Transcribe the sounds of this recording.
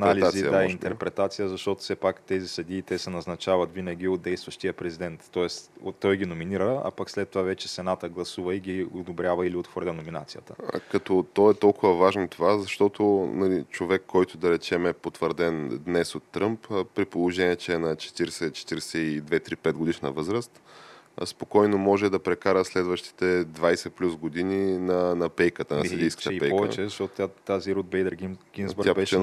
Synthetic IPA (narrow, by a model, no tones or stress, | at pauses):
naliziaint̪ɛɾpɾɛt̪at̪sijəzɐʃt̪ot̪ʊ̥fsɛpakt̪ɛzisɐd̪iːt̪ɛsɛnɐznɐt͡ʃavɐt̪vinɐɡʲiot̪̚d̪ɛjst̪vɐʃt̪ijəpɾɛzid̪ɛnt̪ːɔɛst̪t̪ːɔjɡʲinominiɾəɐ̰pakslɛt̪ːovavɛt͡ʃɛsɛnat̪əɡlˠɐsuvəiɡʲiod̪obɾʲjavɐiliot̪xvɔɾdʲɐnomina̰t̪sijət̪əkɐt̪ɔt̪ɔɛt̪ɔlˠkʊvɐvaʒnot̪ovazɐʃt̪ɔt̪onɐlit͡ʃovɛkʰːɔjt̪ʊd̪ɐɾɛt͡ʃɛmɛpot̪vəɾd̪ɛnd̪nɛsot̪ːɾɤmpːɾipolˠoʒɛniɛt͡ʃɛːnɐt͡ʃɛ̥t̪iɾɛsɛt͡ʃɛ̥t̪iɾɛsɛid̪vɛt̪ɾipɛd̪̚ɡod̪iʃnɐ̰vɤzɾəst̪spokɔjnomɔʒɛd̪ɐpɾɛkaɾəslɛd̪vəʃt̪i̥t̪ɛd̪vajsɛplʲusɡod̪ininɐnɐpɛjkət̪ənɐsɛd̪ijskə̥pɛjɛt͡ʃɛɐʃt̪ɔt̪t̪at̪aziɾud̪̚bɛjd̪əɾɡɡʲimzbɾapɛ